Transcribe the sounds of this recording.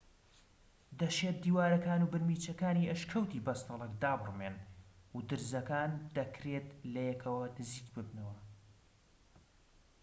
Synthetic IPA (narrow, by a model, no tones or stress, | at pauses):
d̪ɐʃeːt̪̚d̪iːwaːɾɐkaːnuːbɨɾmiːt͡ʃɐkaːniʔɐʃkʰɐwt̪iːbɐst̪ɨlˠɐk̚d̪aːbɨrmenud̪ɨɾzɐkaːnd̪ɐkɾeːt̪lɐjɛkʰɐwɐnɨziːkbɨbnɐwɐ